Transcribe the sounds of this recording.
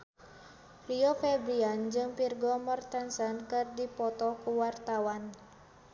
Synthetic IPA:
liɔfɛbɾiand͡ʒɨŋpirɡɔmɔrt̪ansankɨrdipɔt̪ɔkuwart̪awan

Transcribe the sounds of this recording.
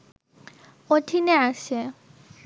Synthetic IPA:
otʰinɛasɛ

